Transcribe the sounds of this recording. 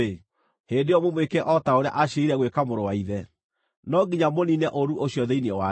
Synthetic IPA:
e | hendeɔmomwekɛʔɔtaoɾea̰ʔaɕeiɾɛɣwekamoɾowaiðɛ | nɔɡiɲamoninɛʔoɾuʔoɕiɔðeiniɛwa

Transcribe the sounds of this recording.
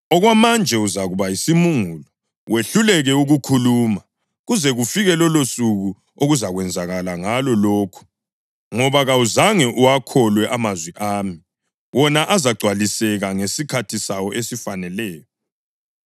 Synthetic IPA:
ɔɣwamand͡ʒʱɛuzaɣuβajisimuŋulɔ | wʔeɬulɛɣɛuɣukʰuluːma | ɣuzɛɣufiɣɛlɔlosuɣu | oɣuzaɣwɛnd͡zʱaɣalaŋalɔloːkʰu̥ | ŋɔβaɣauzaŋɛʔuwakʰɔlwɛʔamazwiʔaːmi | wʔɔnaʔazaɡ͡ǀʱwalisɛɣaŋesikʰatʰisawɔʔesifanɛlɛːjɔ

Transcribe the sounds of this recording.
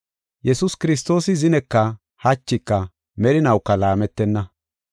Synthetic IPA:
jɛsʊskɪɾɪs̬t̪o̞ːsɪzɪnɛkːɐ | hɐt͡ʃːɪkːɐ | mɛɾɪnɐwkːɐlaːmɛt̪ːɛnːɐ

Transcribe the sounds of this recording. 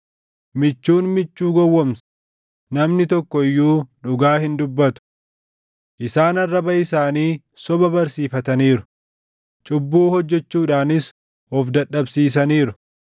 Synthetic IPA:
mɪt͡ʃːuːnmɪt͡ʃːuːɡɔwːɐmsɐ̥ | nɐmnɪt̪ɔkːɔɪjːuːᶑʊɡaːhɪnd̪ʊbːɐt̪ʊ̥ | ʔɪsaːnɐrːɐbɐɪsaːniː | sɔbɐbɐɾsiːfɐt̪ɐniːɾʊ̥ | t͡ʃʼʊbːuːhɔd͡ʒːɛt͡ʃːuːᶑaːnɪs | ɔfd̪ɐɗːɐbsiːs̬ɐniːɾʊ̥

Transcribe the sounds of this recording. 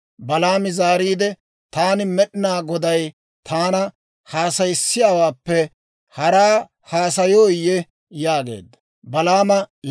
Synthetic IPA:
bɐlaːmɪzaːɾiːd̪ɛ | t̪aːnɪmɛɗɪnaːɡɔd̪ɐj | t̪ʰaːnɐ | haːsɐjɪsːɪjaːwaːpːɛ | hɐɾaː | haːs̬ɐjoːjːɛ | jaːɡe̞̰ːd̪ːɐ | bɐlaːmɐ

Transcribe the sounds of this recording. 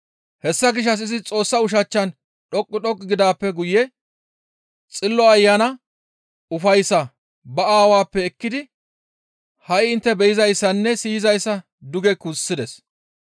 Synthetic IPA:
hɛsːɐɡɪʃ̬ːɐs̬ɪzɪt͡sʼo̞ːsːɐʊʃ̬ɐt͡ʃːɐn | ᶑɔkʼːʊɗɔkʼːɡɪd̪aːpːɛɡʊjːɛ | t͡sʼɪlːɔɐjːanɐ | ʊfɐjsːɐ | bɐaːwaːpːɛːkːɪd̪ɪ | hɐjɪnt̪ːɛbɛjɪzɐjsːɐnːɛsiːɪzɐjsːɐ | d̪ʊɡɛkʊsːɪd̪ɛs

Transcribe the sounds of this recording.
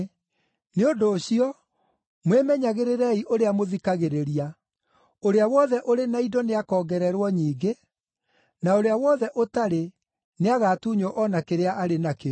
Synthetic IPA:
neondoːɕiɔ | mwemɛɲaɣeɾeɾɛiʔoɾeamoðikaɣeɾeɾia | oɾeawɔðɛʔoɾenaidɔneakɔːɡɛɾɛɾwɔɲiːɡe | naoɾeawɔðɛʔotaɾe | neaɣaːtuɲɔʔɔnakeɾeaʔaɾenake

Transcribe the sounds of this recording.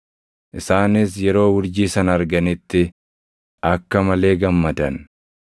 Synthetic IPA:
ʔɪsaːnɪsjɛɾo̞ːwʊɾd͡ʒiːsɐnɐɾɡɐnɪt̪ːɪ | ʔɐkːɐmɐle̞ːɡɐmːɐd̪ɐn

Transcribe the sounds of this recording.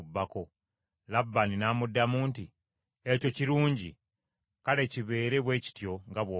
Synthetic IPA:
bːako̞ | labːaninaːmudːamuːnti | eco̞ciɾuːɲɟi | kale̞ciβe̞ːɾe̞βwe̞ːci̥tjo̞ŋɡaβwoː

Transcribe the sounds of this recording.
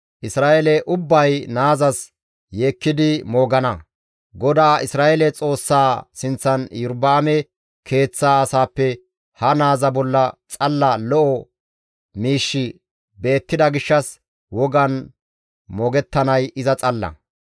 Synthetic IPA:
ʔɪsɾaːʔelɛʔʊbːɐjnaːzɐs | je̞ːkːɪd̪ɪmoːɡɐnɐ | ɡɔd̪aːɪsɾaːʔelɛt͡sʼo̞ːsːaːsɪnt͡sːɐnjʊɾbaːmɛ | kʰe̞ːt͡sːaːsaːpːɛ | hɐnaːzɐbɔlːɐt͡sʼɐlːɐlɔʔɔ | miːʃːɪ | be̞ːt̪ːɪd̪ɐɡɪʃːɐs | wɔɡɐn | mɔːɡɛt̪ːɐnɐjɪzɐt͡sʼɐlːɐ̰

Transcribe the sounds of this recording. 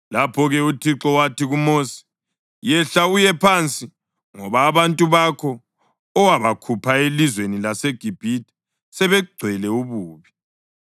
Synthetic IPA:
lapʰɔɣɛutʰiǁɔwatʰiɣumoːsi̥ | jɛɬaujɛpʰant͡sʼi | ŋɔβaːβantʼuβakʰɔː | waβakʰupʰaelizwenilaseɡ̥ʱib̥ʱiti̥ | sɛβɛuɡ͡ǀʱwɛlɛuβuːβi

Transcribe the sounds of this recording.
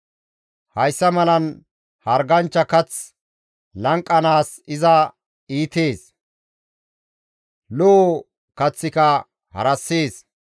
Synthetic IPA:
hɐjsːɐmɐlɐn | hɐɾɡɐnt͡ʃːɐkɐt͡s | lɐŋkʼːɐnaːs | ɪzɐ | iːt̪e̞ːs | lo | kɐt͡sːɪkɐ | hɐ̰ɾɐsːeːs

